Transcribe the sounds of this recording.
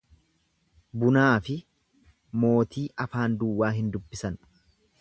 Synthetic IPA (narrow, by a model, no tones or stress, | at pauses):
bʊnaːfɪ | mo̞ːt̪iːʔɐfaːnd̪uwːaːɦɪnd̪ʊbːɪsɐn